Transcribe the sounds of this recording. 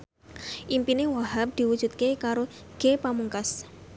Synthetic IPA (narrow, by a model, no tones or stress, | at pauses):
ʔimpinewaɦap̚d̪̥iwud̥ʒ̥ut̪̚kekaɾoɡ̥epamuŋkas